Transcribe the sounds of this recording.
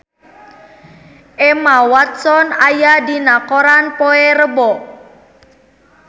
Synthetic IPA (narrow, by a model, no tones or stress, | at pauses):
ʔemawat̪̚sɔnajadinakɔɾanpoeɾəbɔ